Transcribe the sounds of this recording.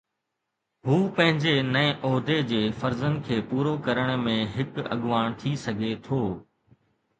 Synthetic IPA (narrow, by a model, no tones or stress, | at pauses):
ɦuːpɐ̃ɦɪ̃ɲd͡ʑenɐ̃ʔɔːd̪ed͡ʑeːfɐɾzənkʰeːpuːɾokɐɾəɽ̃mẽɦɪkɐ̰ɠʋaːɽ̃t̪ʰisɐɡʱet̪ʰoː